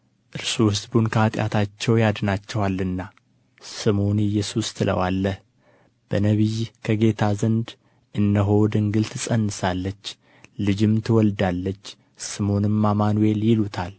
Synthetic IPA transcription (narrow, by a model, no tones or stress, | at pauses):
ʔɨɾsuhɨsbunkʰəat̪ʼjʔa̰t̪ʰat͡ʃːɛwjad̪nat͡ʃːɛwalːɨnːa | sɨmonɪjːɛsust̪ʰɨlə̰walːəh | b̥ənəβijkʰəɡe̞t̪ʰazənd̪ | ʔɨnːəɦo̞d̪ɨŋɡɨlt̪ʰɨsʼənːɨsalːət͡ʃː | lɨd͡ʒɪmt̪ʰɨwɔld̪alːət͡ʃː | sɨmo̞nɨmːamanuje̞ljɪlut̪ʰal